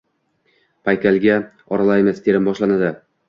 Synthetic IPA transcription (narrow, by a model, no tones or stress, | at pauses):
pʰajkʲalɡʲa | ɒɾalˠajmast̪ʰe̞ɾɪmbɒʃlˠanad̪ɪ